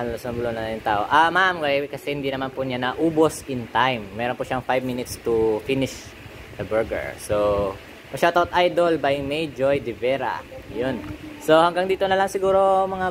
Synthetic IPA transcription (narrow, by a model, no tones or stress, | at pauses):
alosnɐbʊlonɐjʊnt̪aːʔoʔamamkɐjkɐsɛhɪnd̪inɐmanpʊɲanɐʔuːbosɪnt̪ajmːɛːɾonpʊʃaŋfajb̚minɪt̪st̪ʊfinɪʃ | d̪ɐbɛɹɡɛ̰ɹso | mɐʃat̪aot̪ʔajd̪olbajmejd͡ʒojd̪ɪvɛːɾa̰jonsohɐŋɡaŋd̪iːt̪onɐlɐŋsɪɡuːɾo̞mɐŋa